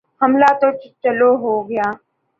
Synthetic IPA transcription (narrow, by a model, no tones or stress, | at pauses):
həmlaːt̪oːt͡ʃt͡ʃəloːɦoːɡəjaː